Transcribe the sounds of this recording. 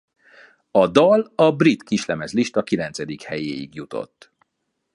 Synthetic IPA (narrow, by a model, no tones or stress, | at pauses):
ɒd̪ɒlɒbrit̪kiʃlɛmɛzliʃt̪ɒkilɛnt̪sɛd̪ikhɛjeːjḭɡjut̪o̞̰t̪ː